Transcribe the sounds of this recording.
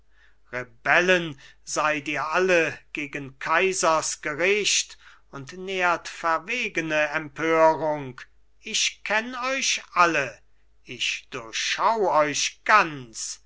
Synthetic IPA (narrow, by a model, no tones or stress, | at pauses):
ʁebɛlənzaɪtiːɐʔaləɡ̥eːɡənkʰaɪzɐsɡ̥əʁɪʃt | ʊntneːɐtfɛɐveːɡənəɛmpʰøːʁʊŋk | ɪʃkʰɛnɔʏʃʔalə | ɪçd̥ʊɐçʃawɔʏʃɡ̥ant͡s